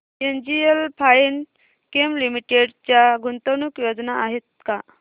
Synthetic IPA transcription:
end͡ʑielpʰain | kemlimiʈeɽt͡ɕjaɡʱunt̪ənuːkjod͡znaaɦet̪̚ka

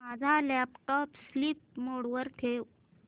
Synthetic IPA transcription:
mad͡zʱalɛpʈɔpsliːp̚moɽʋəɾt̪ʰew

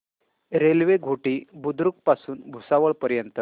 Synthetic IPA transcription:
ɾelʋeɡʱoʈiːbud̪ɾuk̚pasuːnbʱusaʋəɭpəɾjənt̪ə

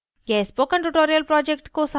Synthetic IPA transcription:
ɡɛːspoːkɐ̃ɳʈuʈoːɾijəlpɾɔːd͡ʒek̚ʈkosɐ

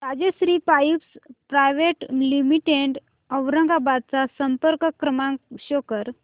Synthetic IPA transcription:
ɾad͡ʑesɾiːpajipspɾajʋeʈlimiʈeɳɖ | əʋɾəŋɡabad̪̚t͡sasəmpəɾkəkːɾəmaɕokəɾ

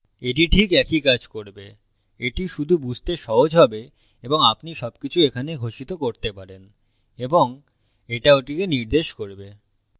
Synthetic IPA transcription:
eʈ̬iʈʰikɛkikad͡ʑkoɾbe | eʈiʃud̪ʱubud͡ʑʱt̪eʃɔɦod͡ʑʱɦɔbe | eboŋapniʃɔbkit͡ɕʰuekʰaneɡʱoʃit̪okoɾt̪epaɾen | eboŋ | eʈaoʈikeniɾd̪eʃkoɾbe

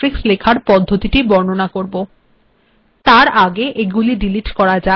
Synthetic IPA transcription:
ɾikslekʰaɾpɔd̪ʱːot̪iʈibɔɾnonakoɾbo | t̪aɾaɡeʔeɡuliɖiliʈkɔɾad͡ʑa

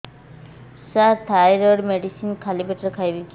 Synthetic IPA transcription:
sat̪ʰajɾɔɖmeɖisinkʰalibeʈɾkʰajbik

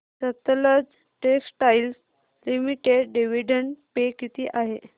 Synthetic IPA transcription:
sət̪ləd͡z | ʈeksʈajls | limiʈeɖɖeʋiɖəɳʈpekit̪iːʔaɦe

